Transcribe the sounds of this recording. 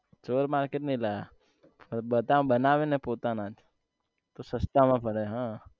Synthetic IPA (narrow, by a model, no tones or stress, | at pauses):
t͡ʃoɾmaɾkeʈnəĩlaɡa | pəɾbət̪ãbənaʋenepot̪anad͡ʒ | t̪osəst̪amãpəɽeɦã